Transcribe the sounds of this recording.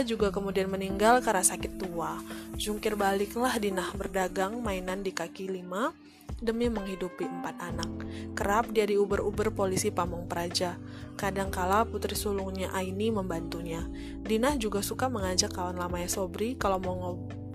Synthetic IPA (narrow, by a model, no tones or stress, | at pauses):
d͡ʒuɡakəmudianməniŋɡalkaɾasakɪt̪ːuad͡ʒuŋkɪrbalɪklahdinahbərdaɡaŋmainandikakilima | dəmiməŋhidupiəmpat̪anak̚ːəɾap̚diadiubərubərpolisipamɔŋpəɾad͡ʒa | kadaŋkalaput̪ɾisuluŋɲaʔainiməmbant̪uɲa | dinahd͡ʒuɡasukaməŋad͡ʒakːawanlamaɲasobɾikalawmɔŋɔ